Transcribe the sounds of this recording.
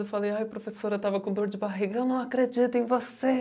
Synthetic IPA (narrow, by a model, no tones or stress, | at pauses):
ewfalejajɐpɾofesoɾɐt̪avɐkõd̪oɾd͡ʒɪbaɦiɡɐewnɐ̃w̃akɾed͡ʒit̪ʊẽj̃vose